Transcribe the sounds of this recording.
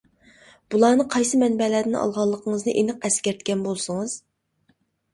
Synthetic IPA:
b̥ulˠɑːnɨqʰɑjsɨmɛnbɛlæːd̪ɪnɑ̰lˠʁɑlˠːəqʰəɴəznɨʔenɨq̚ɛskʲɛɾt̪kʲɛnbolˠsəŋɨz̥

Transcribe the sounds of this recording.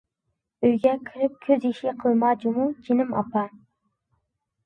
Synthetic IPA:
øjɡʲɛkʲʰiɾɪp̚kʲʰøziʃiqʰəlˠmɑːd͡ʒumud͡ʒinɪmɑ̰pɑ

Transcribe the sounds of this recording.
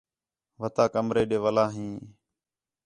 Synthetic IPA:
ʋət̪aːkəmɾeːɗeːʋəlaːɦĩː

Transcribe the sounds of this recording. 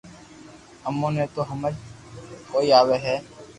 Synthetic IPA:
əmːõːnẽːt̪oːɦəməd͡ʒkoːiːaːʋeːɦɛː

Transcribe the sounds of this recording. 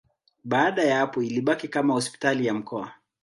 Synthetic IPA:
ɓaːɗajaapɔiliɓakikamahɔspi̥talijam̩kɔa

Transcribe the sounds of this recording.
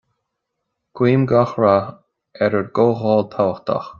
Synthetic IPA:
ɡ̥wiːmɡɔxɹa | ɛɾəɹɡoːɣɔːlt̪ʰawəxt̪a̰x

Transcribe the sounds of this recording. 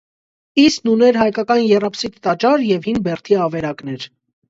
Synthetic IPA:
isknunɛɾɦɑjkɑkɑnjɛrɑpsit̪t̪ɑt͡ʃɑɾjɛvhinbɛrt̪ʰiɑvɛɾɑknɛɾ

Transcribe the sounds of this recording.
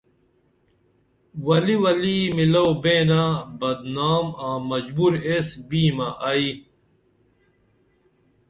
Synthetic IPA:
wɐliwɐlimilɐwbẽːnabɐd̪naːmãːmɐd͡ʑbuɾesbiːmɐʔɐi

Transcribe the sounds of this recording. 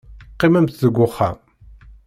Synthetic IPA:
qːimæmt̪ðəɡʷːʊχːæ̰

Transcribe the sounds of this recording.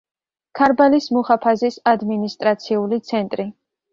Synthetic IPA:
kʰaɾbalismuχapʰazisad̪minist̪ʼɾat̪sʰiulit̪sʰɛnt̪ʼɾi

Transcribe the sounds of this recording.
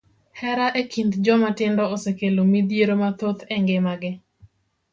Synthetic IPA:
hɛɾaʔekʰind̪d͡ʒɔmatɪndɔosekelomid̪jeɾomat̪ot̪eŋɡɪmaɡɪ

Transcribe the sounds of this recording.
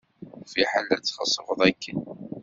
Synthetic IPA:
fiħalːət͡sːχə̰sˤːəvəðˤækːən

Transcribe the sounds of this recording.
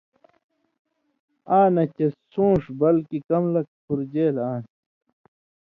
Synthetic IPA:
aːnɐt͡ɕesũːʂbɐlkikɐmlɐk̚pʰuɾd͡ʑeːlaːn

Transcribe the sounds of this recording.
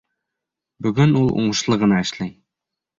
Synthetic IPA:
bɵɡɘnulˠṵɴɤ̆ʃlˠɤʁɤ̆nɑɘ̆ʃlæj

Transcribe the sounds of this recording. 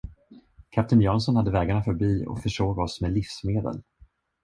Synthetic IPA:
kʰap̚t̪ɪnjɑːnsɔnhad̪ːəvɛːɡaɳafœɾbiːɔ̰kfœʂoːɡɔsmɛlifsmeːd̪ə̰l

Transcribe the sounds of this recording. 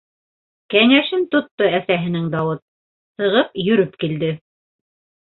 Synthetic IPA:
kænʲæʃɘnt̪ŏt̪ːoæsæɦɘ̆nɘŋd̪ɑwɤt̪̚ | sɤ̆ʁɤpjɵ̆ɾɵpkild̪ɘ

